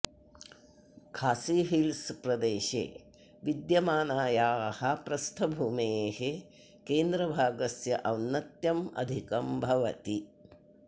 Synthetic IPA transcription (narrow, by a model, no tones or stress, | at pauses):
kʰaːsiːɦilspɾɐd̪eːʃḛː | ʋid̪jɐmaːnaːjaːhɐpɾɐst̪ʰɐbʱuːmeːhe | keːnd̪ɾɐbʱaːɡɐsjɐʔɐwnːɐt̪jɐmɐ̰d̪ʱikɐmbʱɐʋɐt̪i